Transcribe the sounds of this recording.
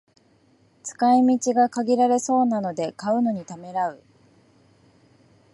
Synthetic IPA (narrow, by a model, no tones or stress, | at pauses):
t͡sɨ̥kaimʲit͡ɕiɡakaɡʲiɾaɾe̞so̞ːnano̞d̪e̞kaɯ̟no̞ɲ̟it̪ame̞ɾaɯ̟